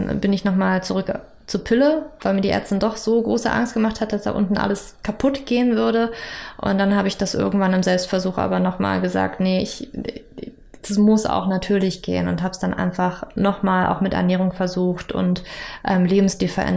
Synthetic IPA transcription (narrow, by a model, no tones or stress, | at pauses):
bɪnɪçnɔχmaːlt͡suʁʏk | t͡suɐpʰɪləvaɪmiːɐdiʔɛ̰ɐt͡sstɪndɔχz̥oːɡʁoːsəʔa̰ŋst̚ɡ̥əmaχthatəd̥asd̥a̰ʔʊ̰ntn̩ʔa̰ləs | kʰapʰʊtɡ̥eːənvʏɐɾəʔʊ̰nt̚d̥anhaːbəɪçd̥asʔɪ̰ɐɡŋ̩tv̥anɪmzɛlpstfɛɐzuːxʔa̰ːbɐnɔχma̰ːlɡəza̰ːk̚tnəɪç | d̥asmʊsʔa̰ʊxnatʰyːɐlɪçɡ̥ḛːənʊ̰ntɦaːbəsd̥anʔa̰ɪnfaχnɔχmaːlʔa̰ʊxmɪtɛ̰ɐnɛːʁ̞ʊŋfɛɐzuːxtʔʊ̰ntʔɛːmleːbm̩sd̥iːfɛɐʔɛ̰n